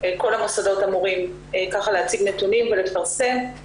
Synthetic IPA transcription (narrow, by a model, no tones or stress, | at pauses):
eko̞lamosado̞tamuʁim | ekaχalehat͡siɡnet̪unimvelefaʁse̞m